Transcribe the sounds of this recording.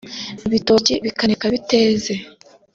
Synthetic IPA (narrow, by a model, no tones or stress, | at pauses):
iβitoːciβikanekaβite̞ːze̞